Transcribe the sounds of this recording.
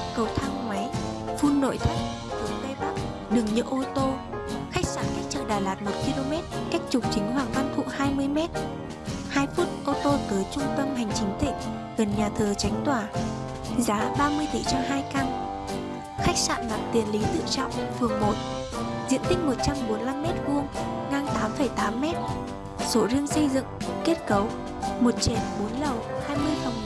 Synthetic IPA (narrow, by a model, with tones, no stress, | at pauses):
kə˨˩wt̪ʰaː˧ŋŋwa˨˦jfu˧nːo̰˧˨jt̪ʰi˦˨˦t̪ʰə˨˩ŋt̪e˧ɓa˦˥k̚ | ɗɨ˨˩ŋɲɨ̰˧˥ʔo˧t̪o˧xa˦˥k̚sa̰ː˧˨nka˦˥k̚t͡ɕa̰ː˧˩ɗaː˧˩laː˨˩t̚mo˨˩t̚ki˧lo˧mɛ˦˥t̚ka˦˥jk̚t͡ɕʊ˨˩k͡p̚t͡ɕï˨˦ŋ̟ɦwaː˧˨˩ŋva˧nt̪ʰṵ˧˨haː˧jmɨ˧əjmɛ˦˥t̚ | haː˧jfuː˦˥t̚ʔo˧t̪o˧t̪əː˨˦jt͡ɕʊ˧ŋ͡mt̪ə˧mɦa˨˩jŋ̟t͡ɕï˨˦ŋ̟t̪ʰḭ˧˨ŋ̟ | ɣə˨˩nɲaː˨˩t̪ʰəː˨˩t͡ɕa˨˦ŋ̟t̪waː˧˩ | zaː˨˦ɓaː˧mɨ˧əjt̪ḭ˧˩t͡ɕɔ˧ɦaː˧jka˧n | xa˦˥jk̟̚sa̰ː˧˨nma̰ː˧˨ŋt̪i˨˩ənli˨˦t̪ɨ̰˧˨t͡ɕɔ̰˧˨wŋ͡mfɨ˨˩əŋmo˨t̚ | zḭ˧˨ənt̪ï˦˥k̟̚mo˨˩t̚t͡ɕa˧mɓo˨˦nla˧mːɛ˦˥t̚vu˧əŋŋaː˧ŋt̪aː˨˦mfə˧˩jt̪aː˨˦mːɛ˦˥t̚ | so˨˦zi˧əŋsə˧jzɨ̰˧˨ŋke˦˥ət̚kə˨˦w | mo˨˩t̚t͡ɕe˧˩nɓo˨˦nlə˨˩whaː˧jmɨ˧əjfə˨˩ŋ͡m